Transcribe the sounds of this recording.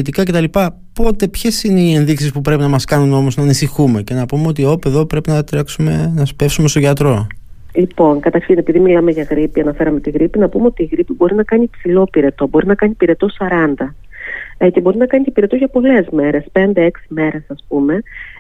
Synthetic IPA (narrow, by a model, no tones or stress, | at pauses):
it̪ikɐce̞t̪ɐlipɐ | po̞t̪e̞pçe̞sineie̞nðiksispupɾepinɐmɐskɐnuno̞mo̞znɐːnisixume̞ce̞nɐpume̞o̞t̪io̞peðo̞pɾe̞pinɐt̪ɾeksumenɐspe̞fsumest̪o̞ʝɐt̪ɾo̞ | lipo̞ŋkɐt̪ɐɾçine̞piðimilɐmeʝɐɣɾipiɐnɐfe̞ɾɐme̞t̪iɣɾipinɐpumeo̞t̪iːɣɾipibo̞ɾinɐkɐnipsilo̞piɾe̞t̪o̞boɾinɐkɐnipiɾe̞t̪o̞sɐɾɐnd̪ɐ | ecebo̞ɾinɐkɐnitepiɾe̞t̪o̞ʝɐpo̞le̞zme̞ɾe̞spe̞nd̪eeksime̞ɾe̞sɐspume̞